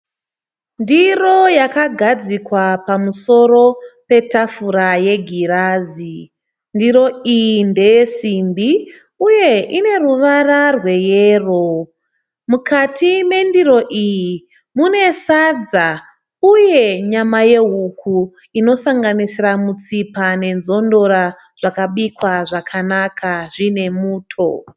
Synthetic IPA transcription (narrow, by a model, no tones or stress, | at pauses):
ndiro̞jakaɡʱad͡zikwapamuso̞ɾo̞pe̞tafuɾaje̞ɡʱiraːzi | ndiɾo̞ijinde̞je̞simbi | uje̞ʔine̞ruʋararwe̞jeːro̞ | mukʰatʰime̞ndiɾo̞ʔiji | mune̞sad͡za | uje̞ɲamaje̞ɦukʰu | ino̞saŋɡanisiramut͡sipane̞nzo̞ndo̞ɾa | ʐ̥akaɓikwaʐakʰanakʰaʐine̞muːtʰo̞̰